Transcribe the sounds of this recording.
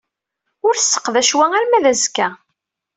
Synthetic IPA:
ʊɾθsːə̥qːðæʃwæŋælmæðæzkːæ

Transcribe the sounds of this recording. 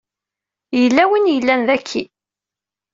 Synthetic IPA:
jəlːæwinjəlːænðækʰːi

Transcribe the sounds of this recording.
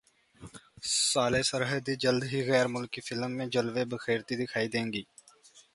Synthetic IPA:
saːlesəɾɦəd̪id͡ʒəld̪ɦiɣɛːɾmʊlkifʰɪlmːẽd͡ʒəlʋebəxeːɾt̪id̪ɪkʰaːid̪ẽːŋɡiː

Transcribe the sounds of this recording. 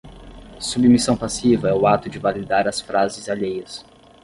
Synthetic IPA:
submisɐ̃w̃pasivɐɛʊat̪ʊd͡ʒɪvalid̪aɾɐsfɾʔazɪzaʎejɐs

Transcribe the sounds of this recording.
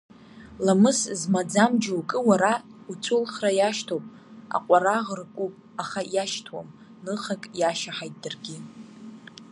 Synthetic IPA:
lamɨszmad͡zamd͡ʒawkʼɨwaɾaut͡sʰʊlχrajaʃtʰopʼ | a̰qʷʼaraʁrkʷʼupʼ | aχajaʃtʰwa̰m | nɨχakʼjaʃaħajtʼdarɡʲɪ

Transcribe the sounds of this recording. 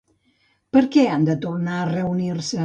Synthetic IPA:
pəɾkɛand̪ət̪urnaərəuniɾsə

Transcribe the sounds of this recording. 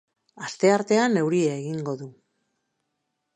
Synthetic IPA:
ast̪e̞aɾt̪e̞anːe̞wɾieːɣiŋɡo̞ðu

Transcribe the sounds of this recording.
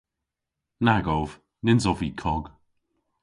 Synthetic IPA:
naɡɔv | nɪnzɔviːkʰɔɡ̥

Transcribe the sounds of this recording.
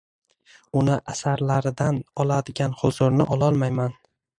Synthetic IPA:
ʊnɪʔasaɾlaɾɪd̪anɒlˠad̪ɪɡʲanhʊzʊɾnɪʔɒlˠɒlˠmajman

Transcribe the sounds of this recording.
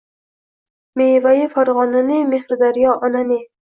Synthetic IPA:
meːvajifaɾʁɒnanimehɾd̪aɾijɒʔɒnani

